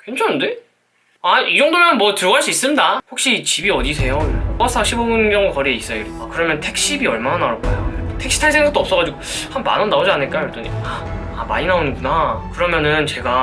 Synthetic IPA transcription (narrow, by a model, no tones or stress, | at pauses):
kwent͡ɕʰaɯnde̞ | aid͡ʑʌŋdomjʌnmwʌtɯɾʌɣɦaɭs͈uis͈ɯmdaɸok̚ɕ͈it͡ɕibiʌdisʰe̞joop͈as͈ʰaɕʰibobunɡjʌŋukʌɾie̞is͈ʌjoiɾakɯɾʌmjʌntʰe̞k̚ɕ͈ibiʌɭmananaɾok͈a̰joɾotʰe̞k̚ɕ͈ʰi̥tʰaɭsʰe̞ŋɡak̚t͈oʌp̚s͈ʌɣad͡ʑiɡohanma̰nʌnːaod͡ʑianɯɭk͈ajoɭt͈ʌniaː | ma̰ɲinaonɯnɡunakɯɾʌmjʌnɯnt͡ɕe̞ɡa